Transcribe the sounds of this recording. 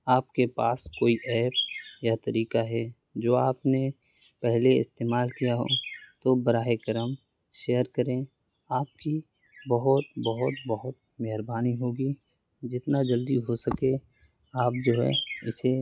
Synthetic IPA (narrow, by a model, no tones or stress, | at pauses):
aːpkepaːskoːiʔɛːpjat̪ɐɾiːkaɦɛ | d͡ʒoːaːpne | pɛɦleɪ̰st̪eːmaːlkijaɦo̰ːt̪obɐɾaːekəɾəm | ʃeːjəɾkəɾẽ | aːp̚ki | bəɦʊt̪bəɦʊt̪̚bɐɦʊt̪ | mɛɦɾbaːniɦoːɡi | d͡ʒɪt̪nad͡ʒəld̪iɦosəkẽ | aːp̚d͡ʒoːɦɛ̰ɪse